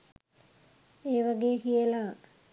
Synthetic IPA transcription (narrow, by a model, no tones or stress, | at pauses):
eːʋaɡejəkijəla